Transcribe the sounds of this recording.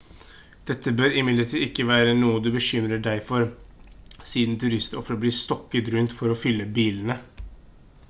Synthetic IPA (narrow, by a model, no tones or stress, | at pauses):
d̪̥ɛt̪ʰːəbøːɾɪmɪd̪əʈʰiːɪkːəʋæːɾənuːəd̪ʉbəʃʏmɾəɖæɪfɔɾ | siːd̪nt̪ʰʉɾɪst̪ɔfɾəbliːst̪ɔkːət̪ɾʉnt̪fɔɾɔfʏlːəbiːln̩ə